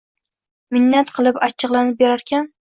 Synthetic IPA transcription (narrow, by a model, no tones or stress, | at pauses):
mɪnːat̪qʰɨlˠɪpat͡ʃʰːɨqlˠanɪp̚beɾaɾkʲan